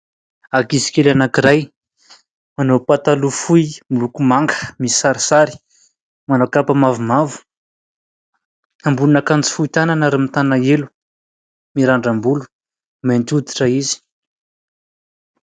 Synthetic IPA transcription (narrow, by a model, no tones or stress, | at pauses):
akizi̥kelanakiɾaj | manowpat̪alufujmilukumaŋɡə̥misaɾisaɾi̥ | manakapamavumavu̥ | ambulunakant͡si̥fuit̪ananaɾimit̪anaelu̥ | miɾaɳɖ͡ʐambulu̥ | ment̪ud̪i̥ʈ͡ʂaizi̥